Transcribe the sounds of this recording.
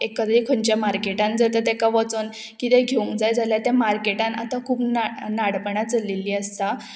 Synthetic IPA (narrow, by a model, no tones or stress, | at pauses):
ekət̪ɾiːkʰəɳt͡ɕjamaɾkeʈãnd͡zat̪ət̪ɛkaʋɔt͡son | kit̪ɛ̃ɡʱeũŋkd͡zajd͡zaljat̪ɛ̃maɾkeʈãna̰t̪akʰuːpnanaɽpəɳat͡səlilːiːəst̪a